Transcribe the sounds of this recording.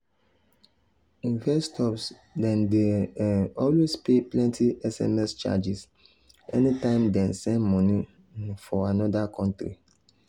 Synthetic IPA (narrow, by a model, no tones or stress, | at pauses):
ĩnvɛstʰɔps | dɛ̃nde | ɔlwespeplɛ̃ntʰiɛsɛ̰mɛst͡ʃa̰d͡ʒis | ɛnitãɪ̃mdɛ̃nsɛ̃nmɔ̃ni | fɔanɔdakʰɔ̃ntɾḭ